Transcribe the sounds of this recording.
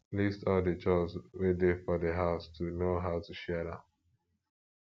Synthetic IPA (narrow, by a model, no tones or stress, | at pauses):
listɔldət͡ʃɔswedefɔdeɦaʊstʰunoɦaʊtuʃɛdã̰